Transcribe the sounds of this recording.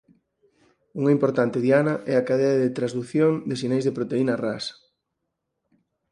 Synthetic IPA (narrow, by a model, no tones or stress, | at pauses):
uŋɐimpoɾt̪ant̪eðjanɐʔɛakaðɛɐðet̪ɾazðuθjoŋd̪esinejzðepɾot̪einɐras